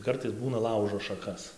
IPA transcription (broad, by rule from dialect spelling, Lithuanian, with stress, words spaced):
ˈkɐrtɐɪs ˈbuːnɐ ˈlˠɐʊʒoː ʃɐˈkɐs